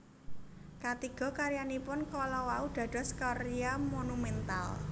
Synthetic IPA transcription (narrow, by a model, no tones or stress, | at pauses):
kat̪iɡ̥ɔ̤kaɾijanipʊnkɔlɔwaud̪̥ä̤d̥ɔ̤skɔɾiamonumɛnt̪a̰l